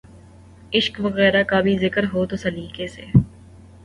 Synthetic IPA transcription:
ɪʃkʋɐɣɛːɾakabʱizɪkəɾɦoːt̪osɐliːkesḛː

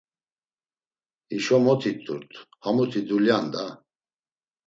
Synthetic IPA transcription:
iʃɔmɔt̪ʰit̪ʰʼːṵɾt̪ʰhamut̪ʰid̪uljand̪a

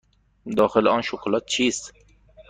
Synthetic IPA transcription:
d̪ɒːxelɔːnʃoklɔːt̪̚t͡ʃʰiːst̪

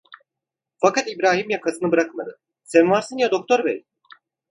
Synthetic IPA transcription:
fakat̪ibɾaːɦimjakʰasɯnɯbɯɾakmad̪ɯ | sɛnvaɾsɯnjad̪o̞k̚t̪ʰo̞ɾbɛ̰j

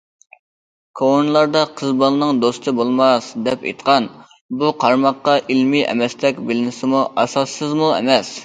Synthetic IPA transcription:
kʰonlˠɑɾd̪ɑqʰəzbɑlˠɨnɨŋd̪ost̪ʰɨbolˠmɑsd̪ɛpḛjt̪qʰɑn | buqʰɑɾmɑqːɑʔilmiʔɛ̰mɛst̪ɛkʲbɪlɪnɪsɪmuʔɑsɑsːɨzmuɛ̰mɛs

